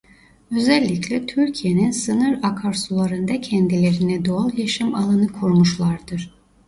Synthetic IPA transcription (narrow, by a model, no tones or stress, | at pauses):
ø̞zɛlʲːiclʲɛt̪ʰyɾcʰijeninsɯnɯɾakʰaɾsulˠaɾɯnd̪acʰɛnd̪ilʲeɾinɛd̪oalˠjaʃɯmalˠanɯkʰuɾmuʃlˠaɾd̪ɯɾ̥